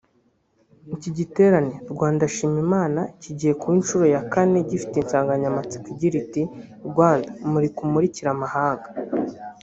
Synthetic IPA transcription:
niciɟite̞ːɾaneɾɡwaːndaʃiːmimaːnaciɟihe̞kuinʃuɾo̞jakane̞ɟifi̥te̞nsaːŋɡaɲamat͡si̥kiɟiɾiti | ɾɡwaːndamuɾikumuɾiciɾamahaːŋɡḁ

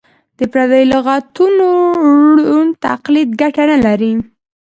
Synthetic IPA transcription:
d̪̥əpɾad̪ajlɪɣat̪unoɽunt̪a̰qlid̪ɡaʈanalaɾi

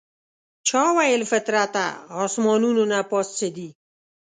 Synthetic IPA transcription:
t͡ʃʰɑwajɪlfɪt̪ɾat̪a̰ːsmɔnunonapɔst͡sed̪i

